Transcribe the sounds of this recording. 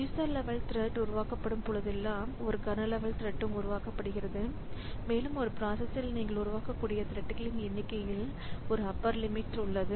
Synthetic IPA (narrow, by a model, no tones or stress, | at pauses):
juːsɐɾlɛʋɐɭt̪ɪɾɛʈːʊɾʊʋaːkɐpːɐɽɯmpʊɭɐðɛlːaːmɔɾɯkɐnɐlɛʋɐɭt̪ɪɾɛʈːɯmʊɾʊʋaːkɐpːɐɽɯɣɪɾɐðɯ | meːlɯmɔɾɯpɾaːsɐsɪlniːŋɡɐɭʊɾʊʋaːkɐkːuːɽɪjɐt̪ɪɾɛʈːɪkɐlɪnɛnːɪkːɐɪjɪɭ | ɔɾɯɐpːɐɾlɪmɪʈʊɭːɐðɯ